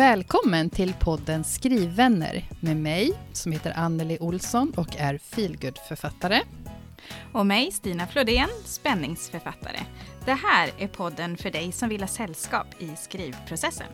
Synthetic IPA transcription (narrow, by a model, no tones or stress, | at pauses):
vɛːlkʰɔmːənt̪ʰɪlpʰɔd̪ːənskɾiːvːɛnːə̰ɾmeːmɛjsɔmheːt̪əɾʔanːəlɪʔʊlsɔnɔkæɾfiːlɡɵd̪fœɾfat̪ːaɾə | ɔmɛjst̪iːnaflod̪eːnspɛnːɪŋsfœɾfat̪ʰːa̰ɾə̰d̪̥ɛɦæːɾæɾpʰɔd̪ːənfœɖɛjsɔmvɪlhɑːsɛlːskɑ̰ːpɪskɾiːvpʰɾʊsɛsːə̰n